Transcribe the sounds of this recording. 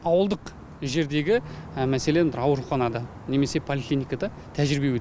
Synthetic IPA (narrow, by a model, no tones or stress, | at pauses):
ɑwəlˠd̪əq | ʒe̞ɾd̪e̞ɡʲɪmæse̞led̪ɪɾɑwəɾuχɑnɑd̪ɑ | ne̞me̞se̞pʰolʲiklʲijnijkad̪ɑ | t̪ʰæʒɾɪbe̞wɵt̪